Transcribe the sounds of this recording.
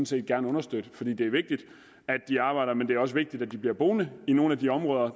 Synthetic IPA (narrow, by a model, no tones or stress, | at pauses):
mn̩se̝̰ːd̚ɡ̥æɐnəɔ̽nɐsd̥ød̥əfɒ̽dḭːd̥e̝æɐʋe̝ɡ̥̚d̥id̥ | æd̥ːiɑ̈ːb̥ɑ̈ɪɾɐmend̥e̝æɐɒ̽səʋe̝ɡ̥̚d̥id̥æd̥ib̥liɐb̥o̝ːnəino̝ːn̩æd̥iɒ̽mʁɔ̽ːð̞ˠɐ